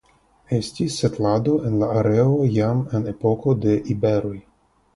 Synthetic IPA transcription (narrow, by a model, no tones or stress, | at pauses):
e̞stisːetlado̞ʔenlaːɾeojamene̞po̞ko̞de̞ʔibe̞ɾo̞j